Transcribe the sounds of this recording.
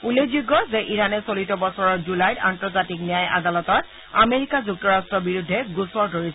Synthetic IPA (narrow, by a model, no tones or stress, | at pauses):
ulezuɡːɔzɛʔiɹanɛsolitɔbɔsɔɹɔɹzulajdantɔɹzatiknijaja̰dalɔtɔɹ | a̰meɹikazuk̚tɔɹastɹɔbiɹudʱːɛɡusɔɹdʱoɹis